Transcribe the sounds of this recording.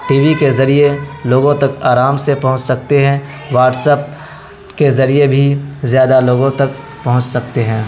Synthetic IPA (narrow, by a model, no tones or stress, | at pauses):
ʈiːʋikezɐɾieloːɡõt̪ɐkaːɾaːmsepɐɦʊ̃t͡ʃsɐk̚t̪eɦɛ̃ | ʋaːʈsəp̚ | kezɐɾiebʱizjaːd̪aloːɡõt̪ɐk | pɐɦʊ̃t͡ʃsɐkt̪eɦɛ̃ː